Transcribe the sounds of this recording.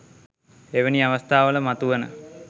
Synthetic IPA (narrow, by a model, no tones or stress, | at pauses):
eʋəniaʋəst̪ʰaːʋələmat̪uʋənə̰